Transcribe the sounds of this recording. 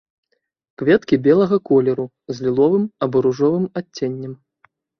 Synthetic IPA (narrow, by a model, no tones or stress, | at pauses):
kvʲɛt̪kʲibʲɛlˠɐɣɐkɔlʲɛɾu | zʲlʲilˠɔvɨmɐbɔɾuʐɔvɨmaːenʲːɛm